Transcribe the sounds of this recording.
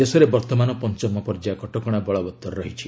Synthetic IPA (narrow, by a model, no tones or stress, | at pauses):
esɔɾebɔɾt̪ɔmanɔpɔnt͡ʃɔmɔpɔɾd͡ʒakɔʈɔkɔɽ̃abɔɭɔbɔt̪ːɔɾɾɔɦit͡ʃʰi